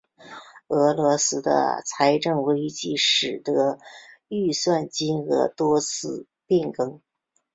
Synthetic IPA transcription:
ɤ˧˥lwɔ˧˥sɹ̩˥d̪ə̰˧t͡sʰa˧˥ɪʈ͡ʂɤ˥˩ŋwe˧˥ɪt͡ɕi˥˩ʂɻ̩˨˩d̪ɤ˧˥y˥˧swa˥˩nt͡ɕi˥nxɤ̰˧˥t̪wɔ˥t͡sʰɹ̩˥˩ | pɛ˥˩nkɤ˥ŋ

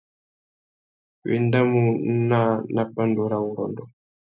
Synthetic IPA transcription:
wḭ˦˨nda˦mu˨˦na˦na˨pa˦ndo˨ɾa˨wu˨ɾɔ̰˨ndɔ˨

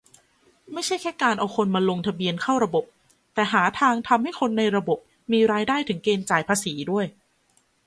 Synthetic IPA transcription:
ma˥˩jt͡ɕʰa˥˩jkʰɛː˥˩kaː˧nʔa˧wkʰo˧nmaː˧lo˧ŋt̪ʰa˧bi˧ənkʰa˥˩wɾa˧bo˨˩p̚ | t̪ɛː˨˩ɦaː˩˦t̪ʰaː˧ŋt̪ʰa˧mha˥˩jkʰo˧nːa˧jɾa˧bo˨˩p̚ | miː˧ɾaː˧jdaː˥˩jt̪ʰɯ˩˦ŋkeː˧nt͡ɕaː˨˩jpʰaː˧siː˩˦du˥˩əj

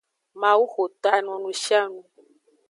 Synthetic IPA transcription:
mã˨wu˦xo˨t̪a˨nɔ̃˨nũ˧ʃi˦a˦nũ˧

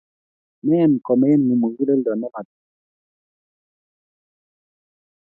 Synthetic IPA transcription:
mɛ˦jɛ˦n˨kɔ˨mɛ˦jɛ˦n˨ŋu˨mu˨ŋɡi˦le˦ldɔ˨nɛ˦ma˨t

